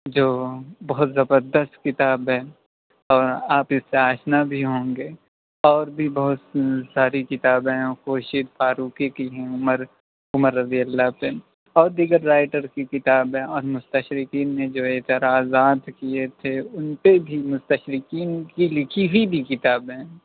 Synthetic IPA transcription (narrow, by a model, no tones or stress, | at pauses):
d͡ʒoːbɐɦʊt̪zɐbəɾd̪əst̪kɪt̪aːbɦɛ̃ː | ɔːɾaːpɪsːeaːt͡ʃnabʱiɦõːŋɡeː | ɔːɾbʱibɔɦʊt̪saːɾikɪt̪aːbɦɛ̃koːʃɪd̪faːɾuːkikiɦɛ̃ʊməɾ | ʊməɾːɐd̪ijəlːabɪn | ɔːɾd̪ɪɡəɾːaːɪʈəɾkikɪt̪aːbɦɛ̃ɔːɾmʊst̪əʃɾɪkiːnːed͡ʒoːet̪ɪɾaːzaːd̪kiet̪ʰeʊnpebʱimʊst̪əʃɾɪkiːnkilɪkʰiɦibʱikɪt̪aːbɦɛ̃ː